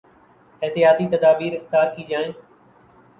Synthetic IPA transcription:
ɪɦt̪ɪjaːt̪iːt̪əd̪aːbiːɾɪxt̪aːɾkiːd͡ʒaːẽː

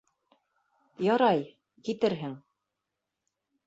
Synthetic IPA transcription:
jɑɾɑj | kit̪ɘɾɦɘŋ

